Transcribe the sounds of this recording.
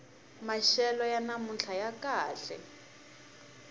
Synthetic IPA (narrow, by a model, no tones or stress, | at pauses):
maʃɛlɔjanamunɬʰajakaːɬɛ̰